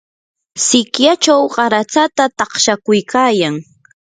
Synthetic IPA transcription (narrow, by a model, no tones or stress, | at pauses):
sɪkjat͡ʃawɢɑɾat͡sat̪at̪ɑχʃakʊjkaːjaŋ